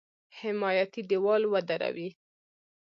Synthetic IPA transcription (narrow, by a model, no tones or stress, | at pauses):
hɪmɑjat̪id̪iwɑlwəd̪aɾa̰wi